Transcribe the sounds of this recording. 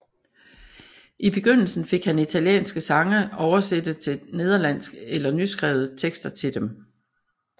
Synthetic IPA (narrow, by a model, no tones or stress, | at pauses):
ʔib̥e̝ɡ̥øn̰l̩sn̩fe̝ɡ̥hænit͡sʰæljḛːnsɡ̥əsɑ̈ŋəɒʊɐsed̥ət͡sʰe̝̥ne̝ð̞ˠɐlæn̰sɡ̥elɐnysɡ̥ʁɛ̰ːʊð̩ˠt͡sʰeɡ̥sd̥ɐt͡sʰe̝ld̥em